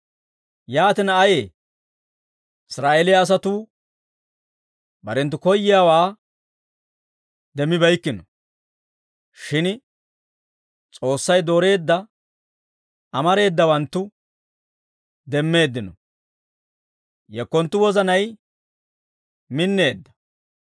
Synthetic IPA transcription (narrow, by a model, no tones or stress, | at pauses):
jaːt̪ɪnɐːjeː | ɪsɾaːʔelɪjaːs̬ɐt̪uː | bɐɾɛnt̪̬ːʊkɔjːɪjaːwaː | d̪ɛmːɪbɐjkːɪnɔ | ʃɪn | t͡sʼo̞ːsːɐjd̪o̞ːɾe̞ːd̪ːɐ | ɐmɐɾe̞ːd̪ːɐwɐnt̪ːʊ | d̪ɛmːe̞ːd̪ːɪnɔ | jɛkːɔnt̪ːʊwɔzɐnɐj | mɪnːe̞ːd̪ːɐ̥